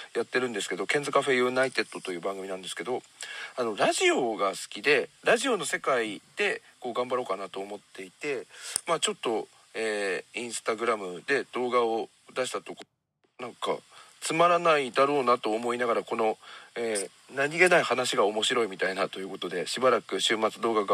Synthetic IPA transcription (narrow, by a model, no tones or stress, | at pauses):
jat̪ːe̞ɾɯ̟̃nd̪e̞sɨ̥ke̞d̪o̞kẽ̞nd͡zɨkaɸe̞jɯ̟ːnait̪e̞t̪ːo̞t̪o̞jɯ̟ːbãŋɡɯmʲinãnd̪esɨ̥ke̞d̪o̞ | ano̞ɾaʑio̞ɡasɨ̥kʲid̪e̞ɾaʑio̞no̞se̞kaid̪̥e̞ | ko̞ːɡãmbaɾo̞ːkanat̪o̞ːmo̞t̪ːe̞it̪e̞mat͡ɕo̞t̪ːo̞ | eːĩɰ̃sɨ̥t̪aɡɯ̟ɾamɯ̟d̪e̞d̪̥o̞ːɡao̞ | d̪aɕi̥t̪at̪o̞k | nãŋka̰t͡sɨmaɾanaid̪aɾo̞ːnat̪o̞ːmo̞inaɡaɾako̞no̞eː | naɲ̟iɡe̞naihanaɕiɡao̞mo̞ɕiɾo̞imʲit̪ainat̪o̞jɯ̟ko̞t̪o̞d̪e̞ɕibaɾakɯ̟ɕɨːmat͡sɨd̪o̞ːɡaɡ